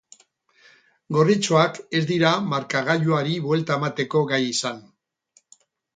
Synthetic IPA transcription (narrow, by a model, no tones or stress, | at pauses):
ɡo̞rit͡soake̞zd̪iɾamaɾkaɣ̞aʎuaɾiβwe̞lt̪aemat̪e̞ko̞ɣajisan